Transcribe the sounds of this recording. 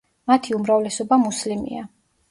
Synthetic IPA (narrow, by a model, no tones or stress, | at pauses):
mat̪ʰiumɾavlɛsɔbamuslimḭa